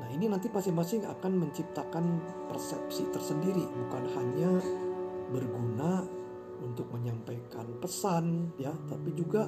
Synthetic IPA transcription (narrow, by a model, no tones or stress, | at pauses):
nahininant̪ipasɪŋmasɪŋa̰kanməɲt͡ʃip̚t̪akan | pərsɛ̰psit̪ərsəndiɾibukanhaɲa | bərɡuna | unt̪ʊk̚məɲampajka̰npəsanjat̪apid͡ʒuɡa